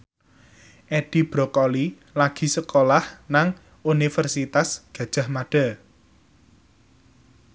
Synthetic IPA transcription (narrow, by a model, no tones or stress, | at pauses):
ʔɛɖ̥i̤b̥ɾɔkɔli | laɡ̥i̤səkolahnaŋ | unifərsit̪asɡ̥ä̤d̥ʒ̥a̤hmaɖ̥a̤